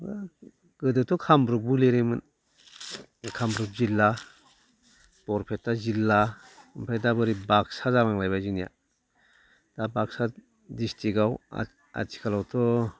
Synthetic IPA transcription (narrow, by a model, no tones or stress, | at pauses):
ɡ̥ɯdɯtɔkʰambɾuk̚bɯleɾemɯn | kʰambɾuk̚zilːa | b̥ɔɾpʰetːazilːa | ɯmpʰajdabɯɾibaksazabaŋlajbajzɯŋnija̰ | d̥abaksa | distʰiɡaw̰ | a̰tʰi̥kʰalawtʰɔ